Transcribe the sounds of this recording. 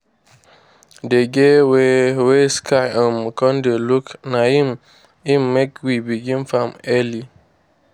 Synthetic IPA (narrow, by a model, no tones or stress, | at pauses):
deɡeweweskʰaɪɔmkɔn̩deluknaim | immekwibiɡĩmfamɛli